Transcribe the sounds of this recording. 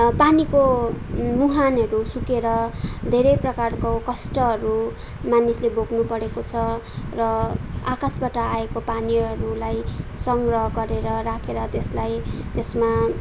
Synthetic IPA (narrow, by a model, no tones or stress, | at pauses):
paniko | muɦanʌɾusukeɾʌd̪ʱeɾʌjprʌkarkokʌsʈʌɦʌɾu | manislebʱoɡnupʌɾekot͡sʰʌrʌakasbaʈʌaekopaniʌɾulajsʌŋɡrʌɦʌɡʌɾeɾʌɾakʰeɾʌt̪eslajt̪esma